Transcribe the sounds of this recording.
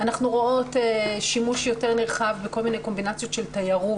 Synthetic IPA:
anaχnuʁoo̞teʃimuʃjo̞te̞ʁneʁχavbeko̞lminejko̞mbinat͡sjo̞tʃe̞ltajaʁu

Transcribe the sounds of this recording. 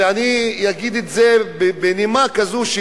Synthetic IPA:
anijaɡid̪etzebebenimakazuʃ

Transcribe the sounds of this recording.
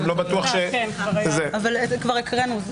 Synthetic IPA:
lobat̪uaχʃenzeavalkvaʁikʁenu

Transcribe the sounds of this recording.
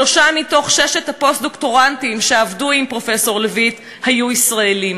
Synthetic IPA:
oʃamito̞χʃeʃethapo̞st̚d̪o̞kto̞ʁantimʃeavduimpʁo̞fe̞so̞ʁlevit | hajuisʁaelim

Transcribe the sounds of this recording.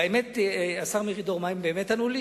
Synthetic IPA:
emetasaʁmiʁid̪oʁmaimbeːmet̪anuli

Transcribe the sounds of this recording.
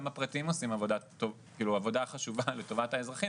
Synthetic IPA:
mapʁatimo̞simavo̞dat̪okiːluavo̞daχaʃuvale̞to̞vathaezʁaχi

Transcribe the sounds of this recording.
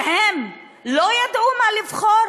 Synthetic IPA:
hem | lojad̪ʔumalivχoɾ

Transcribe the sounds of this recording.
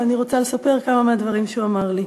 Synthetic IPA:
aniʁo̞t͡salesape̞ʁkamamead̪vaʁimʃuamaʁli

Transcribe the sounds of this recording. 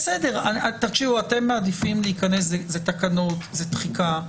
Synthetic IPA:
sedeʁaat̪aʁʃiuate̞mːaːd̪ifimleikanes̬zezet̪akano̞tzet̪χika

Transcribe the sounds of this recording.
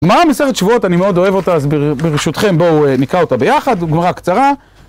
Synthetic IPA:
ɡmaʁamese̞χet̪ʃvuo̞tanimeo̞d̪o̞e̞vo̞taazbebeʁiʃut̪χe̞mbo̞nikʁao̞t̪abe̞jaχad̪ɡmaʁakt͡saʁa

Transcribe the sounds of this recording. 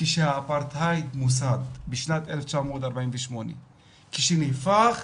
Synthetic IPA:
kiʃaːpaɾt̪ʰajd̪mus̬ad̪biʃnat̪elft͡ʃamɔd̪aɾbainviʃmɔnḭ | kʰiʃinifaχ

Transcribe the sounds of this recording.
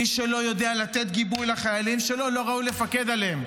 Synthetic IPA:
iʃelo̞jo̞d̪ealat̪e̞t̪̚ɡibujlaχajalimʃe̞lo̞lo̞ʁaule̞fake̞d̪aleem

